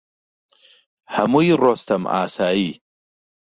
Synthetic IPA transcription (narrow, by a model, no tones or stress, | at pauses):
hamujɾost̪ɐma̰ːsaːi